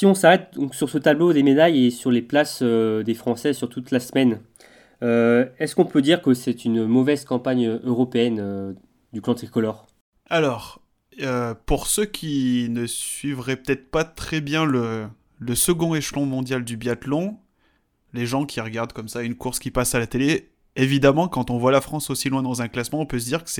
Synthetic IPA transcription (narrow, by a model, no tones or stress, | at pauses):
siɔ̃saʁɛt̪̚d̪ɔ̃ksyʁsət̪ablod̪emed̪ajesyʁleplasød̪efχɑ̃sɛsyʁt̪ut̪lasmɛn | øɛskɔ̃pød̪iʁkəsɛt̪ynmɔvɛzkɑ̃paɲøʔøʁɔpeɛnø | d̪yklɑ̃t̪ikɔlɔʁ | alɔʁ | øpuʁsøkʲʰinəsɥivʁɛpø̥t̪ɛt̪χpat̪χɛbjɛ̃lə | ləsəɡɔ̃eʃlɔ̃mɔ̃d̪jald̪ybjat̪lɔ̃ | leʒɑ̃kʲʰiʁəɡaʁd̪kɔmsaynkuʁskʲipasalat̪ele | evid̪amɑ̃kɑ̃t̪ɔ̃vwalafχɑ̃sosilwɛ̃d̪ɑ̃zɛ̃klasmɑ̃ɔ̃pøs̬əd̪iʁkə̥sɛ